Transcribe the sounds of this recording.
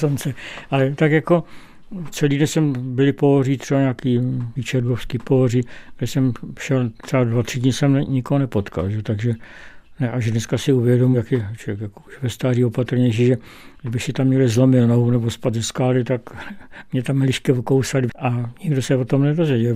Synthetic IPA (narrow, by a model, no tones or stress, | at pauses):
sont͡sɛʔalɛt̪akjako̞ | t͡sɛliːdɛnsɛmbɪlɪpoɦoriːt̪r̥ɛbaɲaːkiːviːt͡ʃɛɾɡofskiːpoɦoriːɡdɛsɛmʃɛlt̪r̥ɛbadvat̪r̥ɪdɲɪsɛmnɛɲɪkoɦonɛpot̪ka̰lʒɛot̪aɡʒɛ | nɛʔaʒdnɛskasɪuvjɛdomujakjɛt͡ʃoɛkjakouʃvɛst̪aːriːopat̪ɾ̩ɲɛʃ̬iːʒɛ | ɡdɪbɪxsɪt̪amɲɛlɪzlomɪlnoɦunɛbospad̪zɛskaːlɪt̪akmɲɛt̪amlɪʃkɛvokowsalʔaɲɪɡdosɛvot̪omnɛdozvɛɟɛl